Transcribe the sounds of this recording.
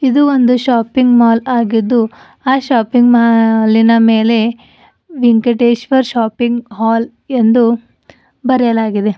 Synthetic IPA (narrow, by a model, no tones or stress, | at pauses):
id̪uond̪uʃaːpiŋɡmaːlaːɡid̪ːu | aːʃaːpiŋɡmaːlinɐmeːle̞ | ʋiŋkeʈeːʃʋɐɾʃaːpiŋɡɦaːl | e̞nd̪u | bɐɾjɐlaːɡid̪e̞